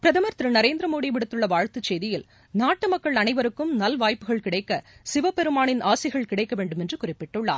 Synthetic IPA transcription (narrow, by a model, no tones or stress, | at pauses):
pɪɾɐðɐmɐɾt̪ɪɾɯnɐɾeːnd̪ɾɐmoːɽiʋɪɽɯt̪ːɯɭːɐʋaːɻt̪ɯt͡ʃːeːðɪjɪl | naːʈːɯmɐkːɐɭɐnɐɪʋɐɾɯkːɯmnɐlʋaːjpːɯɣɐɭkɪɽɐɪkːɐsɪʋɐpɛɾɯmaːɳɪnaːsɪɣɐɭkɪɽɐɪkːɐʋeːɳɖɯmɛndrɯkʊrɪpːɪʈːɯɭːa̰ːɾ